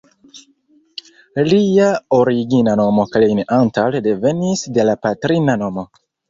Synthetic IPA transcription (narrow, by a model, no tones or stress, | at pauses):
liao̞ɾiɡinano̞mo̞kalenantalde̞ve̞nisde̞lapatɾinano̞mo̞